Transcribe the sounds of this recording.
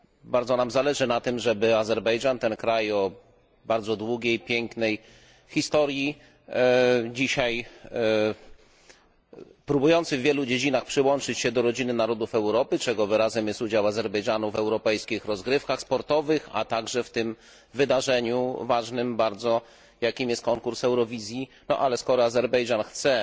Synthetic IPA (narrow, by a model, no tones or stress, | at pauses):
baɾdzɔnamzalɛʐɘnat̪ɘmʐɛbɘazɛɾbɛjʐant̪ɛnkɾajɔ | baɾd̪zɔd̪wuɡʲejpʲjɛŋknɛj | xʲist̪ɔɾji | d͡ʑiɕaj | pɾubujɔnt̪sɘvːʲjɛlud͡ʑed͡ʑinaxpʂɘwɔnt͡ʂɘt͡ɕɕɛd̪ɔɾɔd͡ʑinɘnaɾɔd̪ufɛwɾɔpɘt͡ʂɛɡɔvɾazɛmjɛst̪ud͡ʑawazɛɾbɛjʐanuvɛwɾɔpɛjskʲixɾɔzɡɾɘfkaxspɔɾt̪ɔvɘxa̰t̪aɡʐɛft̪ɘm | vɘd̪aʐɛɲuvaʐnɘmbaɾd̪zɔ | jakʲimjɛst̪̚kɔŋkuɾsɛwɾɔvʲizʲjinɔ̰ʔalɛskɔɾɔazɛɾbɛjʐanxt̪sɛ